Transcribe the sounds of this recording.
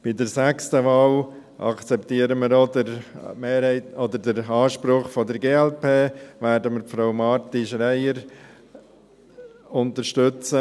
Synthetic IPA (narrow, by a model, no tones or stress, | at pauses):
b̥ɪdəɾsækstəvɑːl | ʔɑ̰kt͡sɛptiːəɾəməɾodəɾmeːɾhɛɪtɔd̪əɾdəɾɑːʃpɾʊχfɔdəɾɡeːɛlpʰeːʋɛːɾdəməɾfɾoʊmɑːɾtiʃɾɛɪəɾ | ʊntəɾʃtʏt͡sə